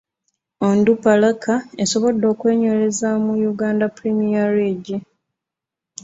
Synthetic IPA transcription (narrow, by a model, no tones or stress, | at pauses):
ondupalakae̞soβo̞dːo̞ːkwe̞ːɲwe̞ːɾe̞zamujuɡaːndapuɾimiaɾiɟi